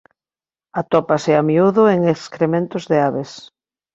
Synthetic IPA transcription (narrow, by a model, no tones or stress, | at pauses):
at̪ɔpaseamiuðoeŋeskɾemẽnt̪ʊzðeaβes